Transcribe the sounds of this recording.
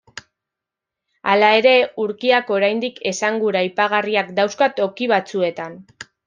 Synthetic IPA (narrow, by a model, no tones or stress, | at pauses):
alae̞ɾe̞uɾkiako̞ɾajnd̪ike̞saŋɡuɾajpaɣ̞ariakd̪awskat̪o̞kiβ̞at͡sue̞t̪an